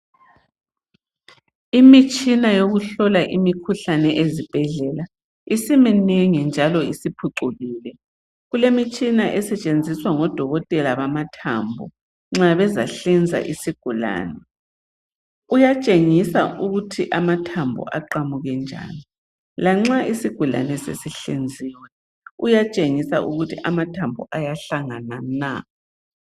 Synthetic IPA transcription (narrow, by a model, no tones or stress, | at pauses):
imit͡ʃʼinajoɣuɬɔlaʔimikʰuɬanɛʔezib̥ʱɛɮɛla | isimɛnɛŋɛnd͡ʒʱalɔisipʰuǃuɣiːlɛ | ɣulemit͡ʃʼinaʔɛsɛt͡ʃʼend͡zʱiswaŋɔd̥ʱɔɣɔtʼɛlaβamatʰa̰mbʱɔ̰ | ŋ͡ǁaβɛza̰ɬɛnd͡zʱa̰ʔisiɡ̥ʱula̰ːnɛ | ujat͡ʃʼeŋisaʔuɣutʰiʔamatʰambʱɔ̰ʔaǃamuɣɛnd͡ʒʱa̰ːni | laŋ͡ǁaisiɡ̥ʱula̰nɛsḛsiɬend͡zʱiːwɛ | ujat͡ʃʼeŋisaʔuɣutʰiʔamatʰambʱɔ̰ʔajaɬaŋanana̰